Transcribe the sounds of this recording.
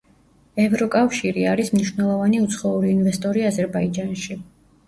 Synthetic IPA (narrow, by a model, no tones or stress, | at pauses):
ɛvɾɔkʼafʃiɾiaɾismniʃvnɛlˠɔvaniut̪sʰχɔuɾiːnvɛst̪ʼɔɾiazɛɾbaid͡ʒanʃi